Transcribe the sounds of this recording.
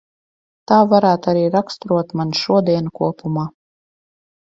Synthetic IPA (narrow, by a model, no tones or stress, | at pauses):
t̪aːvaɾaːt̪aɾiːɾakst̪ɾuɔt̪manʃuɔd̪iɛnkuɔpumaː